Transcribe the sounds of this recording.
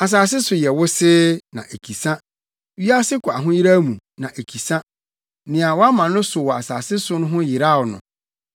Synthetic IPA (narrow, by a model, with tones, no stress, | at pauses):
a˨s̬aː˨s̬ɪ˦sʊ˨jɛ˨wʊ˦sɪː˦nã̰˨ʔe˨kʰi˨sã˦ | wi˦a˦sɪ˦kʰʊ˨a˨ɦʊ̃˦ji˦ɾa˦mũ˨ | nã˨ʔe˨kʰi˨sã˦ | nɪ̃˨a˨wɔ˦a˦mã˨nʊ̃˦sʊ˨wɔ˨a˨saː˨sɪ˦sʊ˦nʊ̃˦ɦʊ̃˦jɪ˨ɾa˦˨wɔ˨nʊ̰̃˨